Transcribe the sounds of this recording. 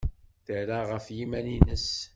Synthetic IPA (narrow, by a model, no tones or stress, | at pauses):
θəɾaʁəfjimæninəs